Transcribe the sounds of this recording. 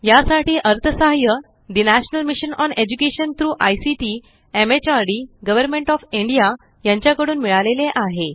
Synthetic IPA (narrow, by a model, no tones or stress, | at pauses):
jasaʈiːʔəɾt̪ʰəsaɦjə | d̪inæɕnəlmiɕənɔned͡ʑukeɕənt̪ɾuːʔajsiʈi | emet͡ɕaɾɖiːɡəʋəɾmẽɳʈɔfiɳɖija | jãɲt͡ɕjakəɽuːnmiɭaleleʔaɦe